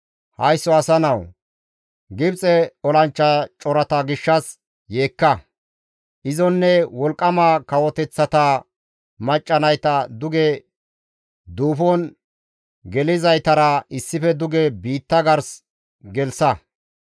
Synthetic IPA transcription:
hɐjsːɔɐsɐnɐw | ɡɪbt͡sʼɛɔlɐnt͡ʃːɐt͡ʃʼɔɾɐt̪ɐɡɪʃːɐs | je̞ːkːɐ | ʔɪzɔnːɛwɔlkʼːɐmakɐwɔt̪ɛt͡sːɐt̪ɐ | mɐt͡ʃʼːɐnɐjt̪ɐd̪ʊɡɛ | d̪uːfɔn | ɡɛlɪzɐjt̪ɐɾɐɪsːɪfɛd̪ʊɡɛbiːt̪ːɐɡɐɾs | ɡɛlsɐ

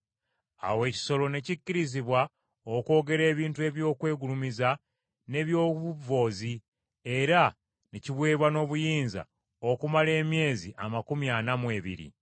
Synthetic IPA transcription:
a̰we̞ːci̥so̞lo̞ne̞cicːiɾiziβwa | oko̞ːɡe̞ɾe̞ːβiːntue̞ːβjo̞ːkwe̞ːɡulumiza | ne̞βjo̞ːβuvo̞ːzi | e̞ɾa | neciβwe̞ːβwano̞βujiːnza̰ | okumale̞ːmje̞ːziʔamakumjanamwe̞ːβḭɾḭ

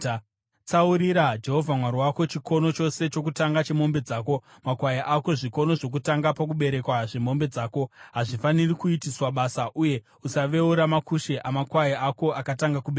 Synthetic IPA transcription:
t͡sauɾiɾad͡ʒe̞ɦo̞vʱamwaɾiwako̞t͡ʃikʰo̞no̞t͡ʃo̞se̞t͡ʃo̞kutaŋɡat͡ʃe̞mo̞mbe̞d͡zaːko̞ | makwajaʔako̞ʐiko̞no̞ʐo̞k̬utaŋɡapakuɓe̞ɾe̞kwaʐe̞mo̞mbe̞d͡zaːko̞ɦaʐifanirikuitiswaɓaːsaʔuje̞ | usaʋe̞uɾamakuʃeʔamakwajiako̞akataŋɡakuɓe

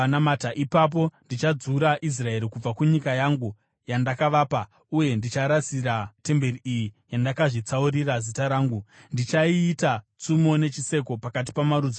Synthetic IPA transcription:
anamataʔipap̬o̞ndit͡ʃad͡zuɾaʔis̬rae̞ɾikub͡vakuɲikajaŋɡu | jandakaʋaːpa | uje̞ndit͡ʃaɾasiɾate̞mbe̞riijijandakaʐit͡sauɾirazitaɾaːŋɡundit͡ʃaiːtat͡sumo̞ne̞t͡ʃise̞ko̞pakat̬i̥pamaɾud͡zo

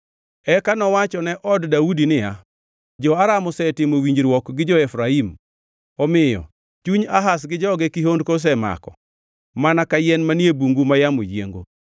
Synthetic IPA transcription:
ɛkanɔwat͡ʃɔnɛʔɔddaudinɪja | d͡ʒɔaɾamɔsɛtɪmowiɲd͡ʒɾwɔkɡɪd͡ʒɔɛfɾaim | ɔmɪjɔ̰ | t͡ʃuɲaɦasɡɪd͡ʒɔɡɛkiɦondkos̬ɛma̰kɔ̰ | manakajɛnmaniebuŋɡumajamo̰jjḛŋɡo̰

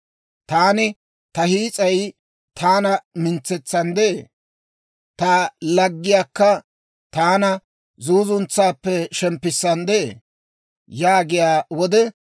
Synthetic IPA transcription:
t̪aːnɪ | t̪ɐhiːt͡sʼɐj | t̪ʰaːnɐmɪnt͡sːɛt͡sːɐnd̪eeː | t̪alɐɡːɪjaːkːɐ | t̪aːnɐ | zuːzʊnt͡sːaːpːɛʃɛmpːɪsːɐnd̪eḛː | jaːɡɪjaːwɔd̪ɛ

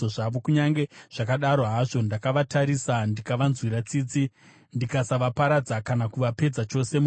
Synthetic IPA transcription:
oʐaʋo̞kuɲaŋɡe̞ʐ̥akaɗaɾo̞ɦaʐo̞ndakaʋataɾisandikaʋanzwiɾat͡siːt͡si | ndikasaʋapaɾad͡zakanakuʋape̞d͡zat͡ʃo̞se̞mu

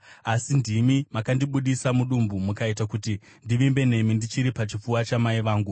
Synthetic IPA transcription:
asindimimakandiɓuɗisamuɗumbumukaitakuti | ndiʋimbe̞ne̞mindit͡ʃiɾipat͡ʃifuwat͡ʃamaiʋaːŋɡu

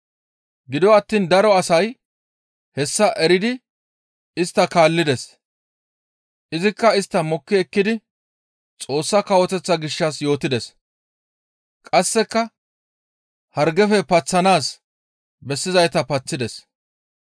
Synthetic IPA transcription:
ɡɪd̪ɔɐt̪ːiːnd̪ɐɾɔɐsɐj | hɛsːɐʔɛɾɪd̪ɪ | ɪst̪ːɐkaːlːɪd̪ɛs | ʔɪzɪkːɐɪst̪ːɐmɔkːɪɛkːɪd̪ɪ | t͡sʼo̞ːsːɐkɐwɔt̪ɛt͡sːɐɡɪʃːɐsjo̞ːt̪ɪd̪ɛs | kʼɐsːɛkːɐ | hɐɾɡɛfɛpɐt͡sːɐnaːs | bɛsːɪzɐjt̪ɐpɐt͡sːɪd̪ɛs

